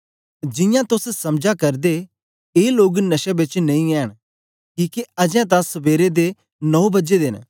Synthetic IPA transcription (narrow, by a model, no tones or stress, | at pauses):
d͡ʒɪ̃jãt̪ʊssɐmd͡ʒakɐɾd̪e | eːloːɡnɐʃɛbɪt͡ʃnɐĩɛːɽ̃ | kiːkeɐd͡ʒɛ̃t̪̬ãsɐbeːɾed̪e | nɔubɐd͡ʒed̪en